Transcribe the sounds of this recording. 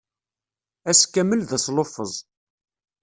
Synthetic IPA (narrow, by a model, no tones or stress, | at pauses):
æskːæməlðæslofəzˤ